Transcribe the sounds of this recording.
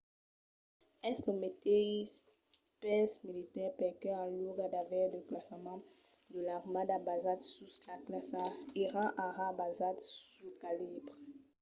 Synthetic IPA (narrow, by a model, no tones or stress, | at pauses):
ɛstəmet̪eis | pɛsmilit̪ɛʁpɛkɛãluɡad̪avɛʁd̪əklasmɑ̃ | d̪əlaʁmad̪abazat̪sysaklasaeʁɑ̃ʔaʁabazat̪sukalibʁ